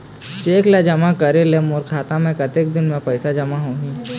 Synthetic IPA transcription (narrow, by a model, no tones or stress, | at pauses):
t͡ʃeːklad͡ʒɐmakɐɾelemoːɾkʰaːt̪amɛ̃kɐt̪ek̚d̪ɪnmẽpɐɪsad͡ʒɐmaɦõːɦĩː